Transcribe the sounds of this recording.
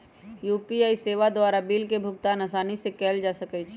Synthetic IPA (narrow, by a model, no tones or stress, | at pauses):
juːpiaːiseːʋad̪waːɾabilkebʱʊk̚t̪anasaːnisekɛːld͡ʒasəkɛt͡ʃʰ